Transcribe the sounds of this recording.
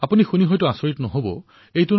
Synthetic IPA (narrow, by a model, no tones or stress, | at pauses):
apunixuniɦɔjtuasoɹitnɔɦobo̰ | ejtun